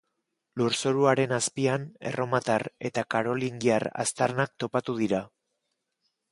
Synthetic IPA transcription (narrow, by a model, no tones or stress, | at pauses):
luɾsoɾuaɾe̞naspiane̞̰rʔo̞mat̪are̞̰t̪akaɾo̞liŋɡiara̰st̪aɾnak̚t̪o̞pat̪uð̞iɾa